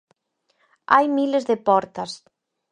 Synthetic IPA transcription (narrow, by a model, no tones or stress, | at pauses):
ajmilezðepɔɾt̪ɐs